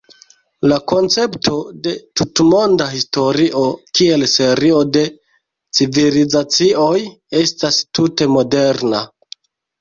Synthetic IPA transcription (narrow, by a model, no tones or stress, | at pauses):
lako̞nt͡se̞ptʰo̞de̞tutmo̞ndaɦisto̞ɾiʔo̞kie̞lse̞ɾio̞de̞ | t͡sivilizat͡sio̞j | e̞stastute̞mo̞de̞ɾna